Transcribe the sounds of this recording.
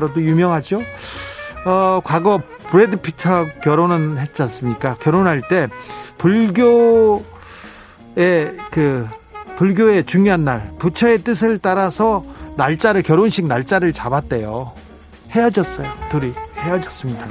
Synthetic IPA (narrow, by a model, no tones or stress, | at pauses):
ɾʌdojumjʌŋɦad͡ʑjo | ʌkwaɡʌ | puɾedɯpʰi̥kʰʌkʲjʌɾonɯnhe̞t͡ɕ͈ʌs͈ɯmɲik͈akjʌɾonɦaɭt͈e̞puɭɡjo | ekɯpuɭɡjoe̞t͡ɕuŋjoɦanːaɭput͡ɕʰʌe̞t͈ɯsʰɯɭt͈aɾasʰʌnaɭt͡ɕ͈aɾɯɭkjʌɾonɕʰik̚naɭt͡ɕ͈aɾɯɭt͡ɕabat̚t͈e̞jo | he̞jʌd͡ʑʌs͈ʌjotoɾihejʌd͡ʑʌs͈ɯmɲida